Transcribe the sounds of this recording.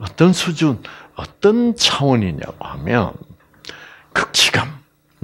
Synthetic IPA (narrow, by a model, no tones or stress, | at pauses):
ʌt̪ənsʰud͡ʑunʌt̪ənt͡ɕʰawəniɲa̰ko̰ha̰mjʌ̰n | kʰɯ̥k̚t͡ɕʰi̥kam